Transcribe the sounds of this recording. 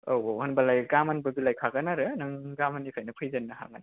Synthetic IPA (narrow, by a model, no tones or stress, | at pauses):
owohɐnbalajɡamanbɐbilajkʰaɡɐnaɾɯnaŋɡamanipʰajnɐpʰɯjzanːɐɦa̰ɡan